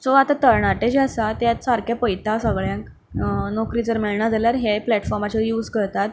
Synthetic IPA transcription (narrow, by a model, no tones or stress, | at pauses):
t͡sɔat̪at̪əɾɳaʈed͡ʑasat̪jat̪saɾkjapəjt̪asəɡɭjãŋk | nokɾit͡səɾmeɭɳad͡zaljaɾɦeplɛʈfɔɾmat͡ɕajuːd͡zkəɾt̪at̪